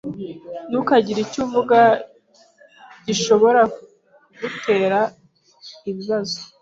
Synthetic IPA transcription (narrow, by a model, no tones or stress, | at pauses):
nukaɟiɾicuːɱvuɡa | ɟ̥iʃo̞βo̞ɾa | ɡute̞ːɾa | iβiβazo̥